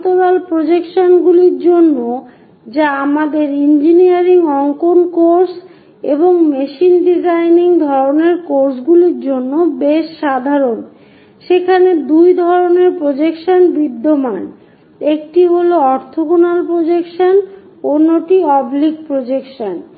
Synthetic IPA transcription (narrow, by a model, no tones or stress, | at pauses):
t̪oɾalpɾod͡ʑekʃonɡuliɾd͡ʑonːo | d͡ʑaamad̪eɾind͡ʑiniaɾiŋɔŋkonkoɾs | eboŋmeʃinɖizajniŋd̪ʱɔɾoneɾkoɾsɡuliɾd͡ʑonːobeʃːad̪ʱaɾon | ʃekʰaned̪ujd̪ʱɔɾoneɾpɾod͡ʑekʃanbid̪ːoman | ek̚ʈiɦoloɔɾt̪ʰokonalpɾod͡ʑekʃan | onːoʈiɔblik̚pɾod͡ʑekʃan